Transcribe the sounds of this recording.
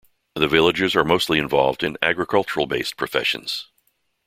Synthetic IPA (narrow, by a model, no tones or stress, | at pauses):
ðɨvɪlˠəd͡ʒɨzə˞moʊstˡliɨ̃ɱvɑ̰lˠvdɨ̃næ̰ɡɹɨkʰʌlˠt͡ʃə˞l̩ˠbeɪs̚pʰɹ̥ɨfɛ̰ʃɨ̰̃n̩z̥